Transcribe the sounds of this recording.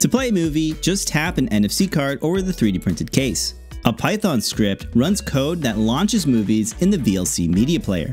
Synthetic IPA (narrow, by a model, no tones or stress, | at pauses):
tʰɨpʰl̥eɪɨmʉvid͡ʒʌsthæpɨ̃nɛ̃nɛfsikʰɑɹɾoʊvə˞ðɨθɹiɾɨpʰɹ̥ɪ̃ntɨd̚kʰeɪs | ʔəpʰaɪθɑ̃nskɹɪp̚t̚ɹʌ̃nz̥kʰoʊd̪̚ðɨtˡlɑ̃nt͡ʃɨzmʉvizɨ̃nðɨviɛlˠsḭmiɾiɨpʰl̥eɪə̰˞